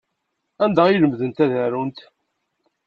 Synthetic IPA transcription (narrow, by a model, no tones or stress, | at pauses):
ænd̪æiləmðənt̪æðæɾunt̪